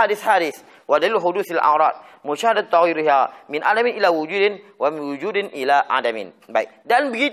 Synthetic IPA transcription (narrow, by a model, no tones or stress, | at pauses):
adɪθhadɪθ | wadaliluɦʊduθalʔa̰ɾˤɑt̪̚ | muʃahadat̪ːɑɣiɾiɦamɪnʔa̰damɪnʔilawud͡ʒudɪnwamɪnwud͡ʒudɪnʔilaʔa̰damɪ̰nbaɪk̚danbəɡi